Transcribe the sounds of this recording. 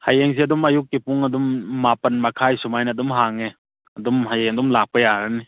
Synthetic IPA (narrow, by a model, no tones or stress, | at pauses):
hajeŋziɐdumɐjukːipuŋɐdumːapɐnmɐkʰajsumajnɐːdumɦaŋe | ɐdumhajeŋɐdumlak̚pɐjaɾɐni